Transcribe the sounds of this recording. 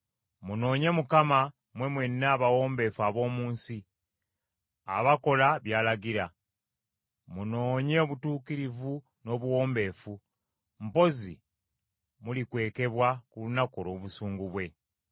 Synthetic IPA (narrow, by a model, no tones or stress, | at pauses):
muno̞ːɲe̞mukama | mwe̞mwe̞nːaːβawo̞ːmbe̞ːfuaβo̞ːmuːnsi | a̰βako̞laβjaːlaɡiɾa | muno̞ːɲe̞oβutuːkiɾivu | no̞ːβuwo̞ːmbe̞ːfu | m̩po̞zḭ | mulikwe̞ːke̞βwakulunako̞lo̞ːβusuːŋɡuβwe̞